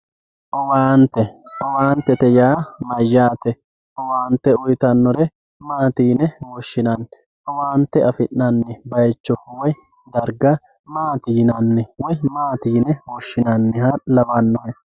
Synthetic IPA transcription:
ʔɔwaːnt̪ːɛɔwaːnt̪ːɛt̪ɛjaːmɐjːaːt̪ɛ | ʔɔwaːnt̪ːɛʊjt̪ɐnːɔɾɛ | maːt̪iːnɛwɔʃːɪnɐn | ʔɔwaːnt̪ːɛɐfɪnːɐnːɪbɐjt͡ʃːɔwɔj | d̪ɐɾɡɐ | maːt̪iːnɐnːɪwɔjmaːt̪iːnɛwɔʃːɪnɐnːɪhɐlɐbɐnːɔhɛ

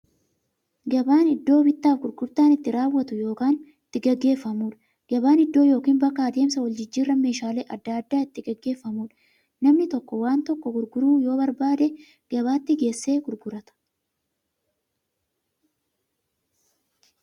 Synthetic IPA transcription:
ɡɐbaːnɪd̪ːo̞ːbɪt̪ːaːfɡʊɾɡʊɾt̪aːnɪt̪ːɪɾaːwːɐt̪ʊjo̞ːkaːnɪt̪ːɪɡɐɡːe̞ːfːɐmuːᶑɐ̥ | ɡ̥ɐbaːnɪd̪ːo̞ːjo̞ːkiːnbɐkaːd̪e̞ːmsɐwɐld͡ʒɪd͡ʒːiːrːɐme̞ːʃaːleːʔɐd̪ːaːɐd̪ːaːɪt̪ːɪɡɐɡːe̞ːfːɐmuːᶑɐ̥ | nɐmnɪt̪ɔkːɔwaːnt̪ɔkːɔɡʊɾɡʊɾuːjo̞ːbɐɾbaːd̪ɛ | ɡ̥ɐbaːt̪ːɪɡe̞ːsːe̞ːɡʊɾɡʊɾɐt̪ɐ̥

